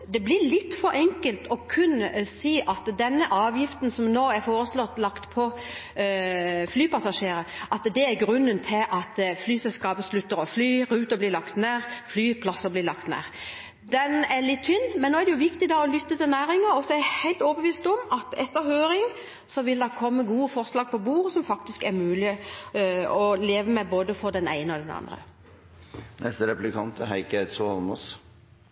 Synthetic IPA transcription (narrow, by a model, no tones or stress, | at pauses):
d̪ɛblɪɾlɪt̪ːfɔɾʔɛŋkəlt̪ɔkʰʉnsiːʔɑt̪d̪ɛnːəʔɑːʋjɪft̪nsɔmnoːæɾfoːɾəslɔt̪ːlɑkt̪pʰɔ | flyːpɑsɑʂeːɾəʔɑt̪d̪ɛæɾɡɾʉnːənt̪ʰɪlʔɑt̪flyːsɛlskɑːbəslʉt̪ːəɾɔflyːɾʉːt̪əbliːlɑkt̪næːʁflyːpʰlɑsəblɪlɑkt̪næ̰ːʁ | d̪ɛnælɪt̪ʰːʏnːmɛnːoːæʁd̪ɛjʊʋɪkt̪ɪd̪ɑɔlʏt̪ːət̪ɪlnæːɾɪŋəɾɔsɔɛɾɛhæɪlt̪ɔːbəʋiːst̪ɔmɑt̪ɛt̪ːəɾhøːɾɪŋ | sɔʋɪld̪ɛkʰɔmːəɡuːəfɔɾslɑːɡ̚pʰɔbuːʁəsɔmfɑk̚t̪ɪskæɾmʉːlɪ | ɔleːʋəmɛboːd̪əfɔɾd̪ɛnæ̰ɪnəɔd̪ɛnɑ̰nd̪ʁə̰ | nɛst̪əɾɛplɪkʰɑnt̪hæɪkæt̪solmɔ̰s